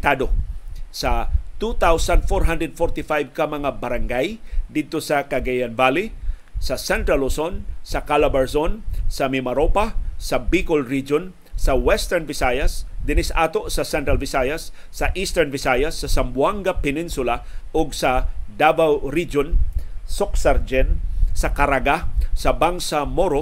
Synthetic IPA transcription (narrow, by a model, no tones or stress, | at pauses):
t̪ad̪osat̪ut̪awsand̪foɹɦãnd̪ɹɛd̪̚fɔɹt̪ɪfajvkɐmɐŋabɐɾaŋɡajd̪ɪd̪̚t̪osɐkɐɡɛjanvali | sɐsɛnt̪ɾalosonsɐkalabɛɹsonsɐmɪmaɾopasɐbikolɹid͡ʒon | sɐwɛst̪ɛɹnvɪsajɐsd̪ɪnɪsʔaːt̪oʔsɐsɛnt̪ɾalvɪsajɐsː | ɐʔist̪ɛɹnvɪsajɐsːɐsɐmbwaŋɡapɛninsʊlaʔoɡsɐd̪abawɾid͡ʒonsoksaɾd͡ʒɛnsɐkaɾaɡasɐbaŋsamoɾo